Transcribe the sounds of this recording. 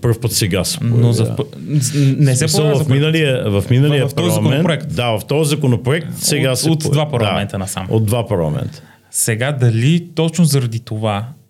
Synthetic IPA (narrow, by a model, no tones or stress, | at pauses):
pəɾfpət̪sɛɡasɛ̥pnozɐ | nɛsɛsɐlˠvɐfminəliəvɐfminəllijɐftpɐɔlˠzɐmkonɛnpɾoɛkt̪d̪avɐft̪ɔzɐkonopɾoɛk̚t̪sɛɡasɛot̪d̪vapɐɾlɐamɛnt̪ɐnɐsa̰mod̪̚d̪vapɐɾlˠɐ̰mɛ̰nt̪ə̥ | sɛɡad̪ɐlit̪ɔt͡ʃnozɐɾɐd̪it̪ova